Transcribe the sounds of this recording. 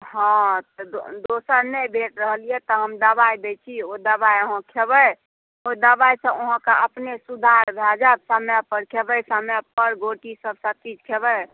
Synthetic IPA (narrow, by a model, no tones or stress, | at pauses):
ɦãt̪ɔd̪osəɾnɛbʱeʈɾəɦəliɛt̪ɔɦəmd̪əbaibet͡ʃʰiod̪əbajoɦə̃kʰebəj | od̪əbajsə̃oɦə̃kaʔəpnesud̪ʱaɾbʱad͡ʒab̚samjapəɾkʰebəsamjapəɾɡoʈisəbsət̪id͡ʒkʰebəj